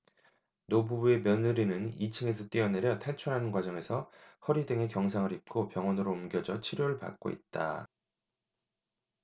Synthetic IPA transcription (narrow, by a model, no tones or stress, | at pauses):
nobubue̞mjʌnɯɾinɯnit͡ɕʰɯŋe̞s̬ʰʌt͈iʌneɾjʌtʰaɭt͡ɕʰuɾɦanɯnɡwad͡ʑʌŋe̞sʰʌhʌɾidɯŋe̞kjʌŋsʰaŋɯɾip̚k͈opjʌŋwʌnɯɾoumɡjʌd͡ʑʌt͡ɕʰiɾjoɾɯɭpa̰k̚k͈o̰ḭt̚t͈a̰